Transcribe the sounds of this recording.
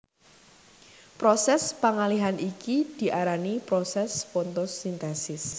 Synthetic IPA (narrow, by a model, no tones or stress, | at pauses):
pɾosɛspaŋaliɦanʔikid̪̥i̤ʔaɾanipɾɔsɛsfont̪osint̪ɛsɪs